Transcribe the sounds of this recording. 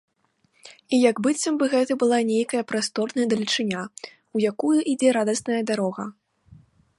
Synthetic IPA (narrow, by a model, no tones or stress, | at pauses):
ijaɡbɨt͡sʲːɐmbɨɣɛt̪ɨbɨlˠanʲejkɐjɐpɾast̪ɔrnɐjɐd̪ɐlʲit͡ʂɨnʲa | ujakujuʔid͡zʲɛɾad̪ɐsnɐjɐd̪aɾɔɣɐ̰